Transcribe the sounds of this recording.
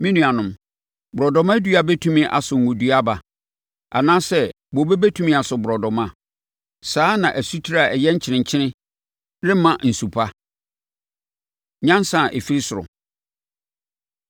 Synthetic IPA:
mĩ˦nũ˨a˨nʊ̃˨m | bʊ˨ɾɔ˨dɔ˨mã˦du˦a˨bɛ˦tʰũ˦mɪ̃˦ʔa̰˨sʊ˨ŋ̩˨ɡʊ̃˨du˦a˦ba˨ | a̰˨nãː˦sɛ˦ | bo˨be˦be˦tʰũ˦mɪ̃˦a˨sʊ˨bʊ˨ɾɔ˨dɔ˨mã˦ | saː˦nã˨ʔæ˨su˦tʰi˦ɾa˨ɛ˨jɛ˦ɲ̩˦t͡ɕʰɪ˨nɪ̃˨ɲ˨t͡ɕʰɪ˦nɪ̃˦ | ɾɪ̃˦mã˨n̩˨su˨pʰa˦ | ɲã˦n˦sã˨ʔe˨fi˦ɾi˦sʊ˨ɾʊ̰˨

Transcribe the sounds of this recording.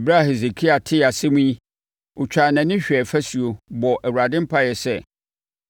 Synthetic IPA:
bɾa˦˨he˨ze˨kʰi˦a˨tʰɪ˦a˨sɪ˦mũ˦i˦ | ʊ˨t͡ɕᶣaː˨nã˨nɪ̃˦ɕᶣɛ˨fæ˦su˨o˨bɔ˨ʔɛ˨wu˨ɾa˨dɪ̃˦m̩˦pʰa˦jɛ˨sɛ˦˨

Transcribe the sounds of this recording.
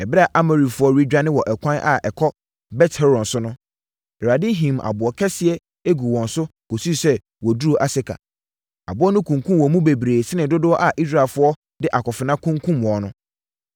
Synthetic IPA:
ɛ˨bɾa˨ʔa˦me˨ɾi˨fʊ˦ɔ˦ɾi˦d͡ʑᶣa˦nɪ̃˦wɔ˨ʔɛ˨kʷʰã˦nʔa̰˨ʔɛ˨kʰɔ˦ | bɛ˦tʰɛ˦ɾɔ̃˨nsʊ˦nʊ̃˦ | ɛ˨ɾa˨dɪ˦ɦĩ˨ma̰˨bʊ˨ɔ˨kʰɛ˦sɪ˨ɛ˦ | e˦ɡu˨wɔ̃˨n˨sʊ˦kʰo˨su˦˨sɛ˦ | wɔ˨du˦o˦ʔa˨sɪ˦kʰa̰˨ | a̰˨bʊ˦ɔ˦nʊ̃˦kʰũ˨ŋkʰũ˦m˨wɔ˨mũ˦be˨bɾeː˨sɪ˦nɪ̃˨dʊ˦dʊ˦ɔ˦ʔa˨ʔi˦s̬ɾa˨lfʊ˦ɔ˦ | dɪ˦ʔa˨kɔ˨fɪ˨nã˦kʰũ˦ŋkʰũ˦mwɔ̃˨˦nʊ̃˦

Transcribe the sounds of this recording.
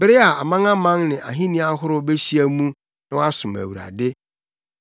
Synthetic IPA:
bɪ˦ɾɪ˦a˨a˨mã˦ŋã˦mã˦ŋnɪ̃˨ʔa̰˨ɦĩ˦nĩ˦a˦ɦʊ˦ɾʊ˦be˦ɕi˦æ˦mũ˦ | nɪ̃˦wa˦sʊ̃˨mæ̰˨wu˨ɾa̰˨dɪ˦

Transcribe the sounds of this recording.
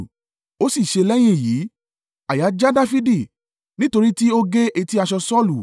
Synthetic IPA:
o˦si˦˨ʃe˧lɛ˦j̃ĩ˧˦˨jiː˨˦ | a˨ja˨˦d͡ʒa˦da˦fi˦di˦˨ | nĩ˦to˧ɾi˦ti˦o˦ɡe˦ʔe˧ti˦a˧ʃɔ˧sɔ˦˨lu˨

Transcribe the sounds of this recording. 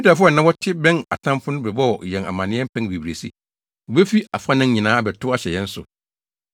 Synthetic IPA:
i˦ta˨fʊ˦˨nã˦wɔ˦tʰɪ˦bɛ̃˦na̰˨tʰã˦m˦fʊ̃˦nʊ̃˦bɛ˨bɔ˦wɔ˨jɛ̃˨na̰˨mã˨nɪ̃˦ɛ˦m̩˦pʰɛ̃˦n˦bi˨bɾe˨sḭ˦˨ | bɛ˦fi˦a˨fa˦nɪ̃˦ɲĩ˨nãː˦bɛ˨tʰʊ˦a˦ɕɛ˨jɛ̃˦n̩˦sʊ̰˨

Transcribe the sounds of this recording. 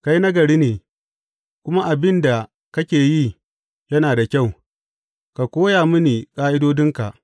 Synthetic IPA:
ka˦jna˦ɡɐ˨ɽiː˦neː˨ | kʷʊ˦ma˦ʔa˨bɪ˦nda˨ | kɐ˦kʲeː˨ji˦ | jɐ˦naː˨da˨kʲa˦˨w | ka˨kʷoː˦jaː˨mʊ˦niː˨kʼaː˦ʔɪ˦doː˦dɪ˦ŋka̰˨ʔ

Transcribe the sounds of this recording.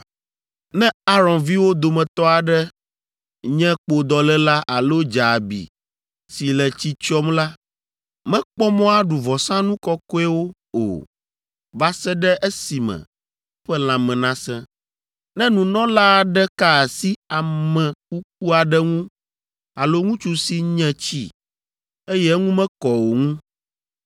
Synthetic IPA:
nɛ̃˦a˦ɾɔ̃˨nvi˦wo˦d̪o˨mɛ̃˨t̪ɔ˦a˨ɖɛ˦ | ɲɛ̃˦k͡po˨d̪ɔ˨lɛ˦la˦ʔa˨lo˦d͡ʒa˨bḭ˨ | si˨lɛ˨t͡ɕi˦t͡ʃɔ˦mla˦ | mɛ̃˦k͡pɔ˦mɔ̃˦a˦ɖu˨vɔ˨sã˦nũ˦kɔ˦kɔ˦ɛ˦wo˦ | o̰˨ | va˦sɛ˦ɖɛ˦ʔe˦si˨mɛ̰̃˨˦ | ɸɛ˦l̃ã˨mɛ̃˨nã˦sɛ̃˦ | nɛ̃˦nũ˨nɔ̃˦la˦˨ɖɛ˦ka˦˨si˦a˨mɛ̃˨ku˦k̚u˦a˨ɖɛ˦ŋũ˦ | a˨lo˦ŋũ˦t͡ʃu˦si˦ɲɛ̃˦t͡ɕḭ˦ | e˦jɛ˦ŋũ˦mɛ̃˦kɔ˨wo˨ŋũ˦

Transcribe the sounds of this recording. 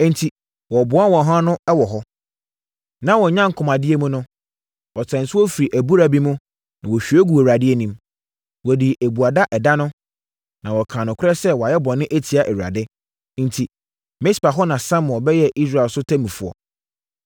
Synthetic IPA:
n̩˨tʰi˨ | wɔ˨bʊ˨˦a˦wɔ̃˨ɦã˦nʊ̃˦ɛ˦wɔ˨ɦɔ˦ | nã˦wɔ˨ɲã˦ŋ˨kʰʊ˨mã˨dɪ˦e˦mũ˦nʊ̃˦ | wɔ˨tʰɛ̃˨n̩˨sʊ˦wɔ˦fi˨ɾi˨ʔæ˨bu˦ɾa˨bi˦mʊ̃˦ | nã˨wɔ˨ɕᶣi˨e˦ɡu˨e˨ɾa˨dɪ˦ɛ˦nĩ˨m | wɔ˨di˨ʔe˨bu˨a˨da˦ʔɛ˨da˦nʊ̃˦ | nã˨wɔ˨kʰãː˨nʊ̃˨kʰʊ˦ɛ˦sɛ˦wɔ˨a˨jɛ˦bɔ̃˨nːɪ̃˦ʔe˦tʰi˨a˨ʔe˨wu˨ɾa̰˨dɪ˦ | n̩˨tʰi˨ | me˦spa˨ɦɔ˦nã˨sã˦m˨ɔ˨bɛ˦jɛ˦˨ʔi˦s̬ɾa˨lsʊ˦tʰæ˦mĩ˨fʊ˨ɔ̰˨

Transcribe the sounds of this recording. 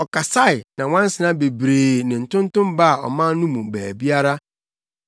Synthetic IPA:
ɔ˨ka˨sa˦ɪ˨nã˨w̃ã˦n̩˦sɪ˨nã˦be˨bɾeː˨nɪ̃˨n̩˨tʊ̃˦n˦tʊ̃˦mba˦˨ɔ̰˨mã˦n˦nũ˦mũ˨bæː˨bi˦a˦ɾa˦

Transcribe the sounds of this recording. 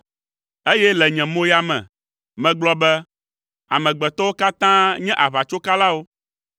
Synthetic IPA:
e˦jɛ˦lɛ˨ɲɛ̃˨mõ˦ja˨mɛ̰̃˨ | mɛ̃˨ɡ͡blɔ˨bɛ˦ | a̰˨mɛ̃˨ɡ͡bɛ˨t̪ɔ˦wo˦ka˦t̪ã˦ɲɛ̃˦ʔa˨βa˨t͡ʃo˦ka˦la˦wo˦

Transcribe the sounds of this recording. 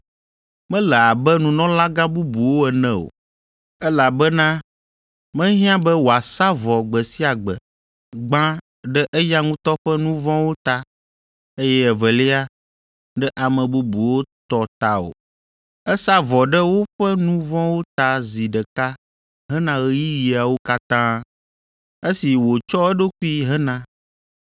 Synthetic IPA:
mɛ̃˦lɛ˨a˨bɛ˦nũ˨nɔ̃˦la˦ɡã˦bu˦bu˨wo˦ɛ˨nɛ̃˦o̰˨ | ɛ˦la˨bɛ˦nã˦ | mɛ̃˦ɦĩ˦ã˦bɛ˦wo˨a˨sa˦vɔ˨ɡ͡bɛ˨si˦a˨ɡ͡bɛ̰˨ | ɡ͡bã˦ | ɖɛ˦ʔɛ˦ja˦ŋũ˦t̪ɔ˦ɸɛ˦nũ˦vɔ̃˦wo˦t̪a˦ | e˦jɛ˦ɛ˨vɛ˨li˦a˦ | ɖɛ˦ʔa˨mə̃˨bu˦bu˨wo˦t̪ɔ˦t̪a˦o̰˨ | ɛ˦sa˦vɔ˨ɖɛ˦wo˦ɸɛ˦nũ˦vɔ̃˦wo˦t̪a˦zi˨ɖɛ˨ka˦ | ɦɛ˦nã˦ɣɛ˦ji˦ji˨a˨wo˦ka˦t̪ã˦ | e˦si˨wo˨t͡ʃɔ˦ɛ˦ɖo˦ku˦i˦ɦɛ˦nã˦

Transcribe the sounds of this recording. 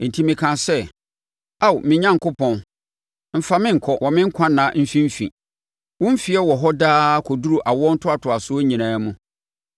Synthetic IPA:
n̩˨tʰi˦mɪ̃˨kʰã˨sɛ˦ | a˦˨wmɪ̃˨ɲã˦ŋ˨kʊ˦pʰɔ̃˨n | m̩˨fa˨mɪ̃˦ŋ̩˨kʰɔ˦wɔ˨mɪ̃˦ŋ̩˦kʷʰã˦nã˨˦m̩˦fĩ˦m̩˦fḭ˨ | wʊ̃˦m̩˦fi˨ɛ˦wɔ˨ɦɔ˦daː˦kʰɔ˨du˦ɾu˨ʔa˨wɔ˦n̩˦tʰʊ˦a˨tʰʊ˨a˨sʊ˦o˦ɲĩ˨nãː˨˦mũ˦

